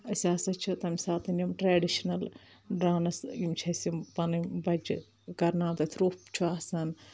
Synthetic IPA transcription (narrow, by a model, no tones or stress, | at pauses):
ɐsʲaːsɐt͡ʃʰut̪ɐmʲsaːt̪ɐnʲɐmʈɾeːɖiʃɐnɐl | ɖɾaːnɐsimt͡ʃʰɐsʲimpɐnɨmbɐd͡ʒ | kɐɾnaːt̪ɐt̪ʰɾuːpt͡ʃʰuaːsɐn